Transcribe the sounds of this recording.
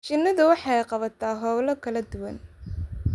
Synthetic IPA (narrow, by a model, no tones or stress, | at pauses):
t͡ʃɪnːɐðʊwɑħɑjqɑβɐt̪ʰaːɦɔwlɐkʰɐlɐd̪ʊwɐn